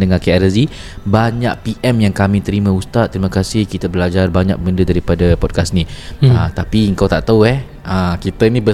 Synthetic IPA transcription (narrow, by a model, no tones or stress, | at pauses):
dəŋakeɛɾəzi | baɲaʔ̚piʔɛmjaŋkamĩt̪əɾimãust̪at̪̚ːəɾimakasɪhkit̪abəlad͡ʒarbaɲa̰k̚bəndədaɾipadapɔd̚kasnĩət̪apiəŋkawt̪aʔt̪auɛh | əkit̪ənĩbə